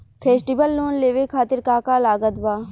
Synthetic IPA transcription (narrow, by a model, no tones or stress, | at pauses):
pʰeːsʈibəlːoːnleːʋekʰaːt̪ɪɾkaːkaːlaːɡət̪ʋaː